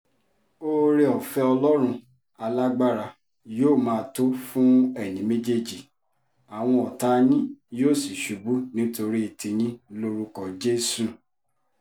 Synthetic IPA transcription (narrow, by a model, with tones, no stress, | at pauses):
o˦ɾe˧ɔ˨fɛ˦ɔ˧lɔ˦ɾ̃ũ˧ | a˧la˦ɡ͡ba˦ɾa˧ | joː˦˨mãː˦˧˦to˦fũ˦ɛ˦˨nĩ˨˦me˦d͡ʒe˦˨d͡ʒi˨ | a˨w̃ɔ̃˧ɔ˨ta˦nĩ˦joː˦˨si˨ʃu˨bu˦nĩ˦to˧ɾi˦i˨tĩ˧nĩ˧˦lo˦ɾu˧kɔ˨d͡ʒe˦su˨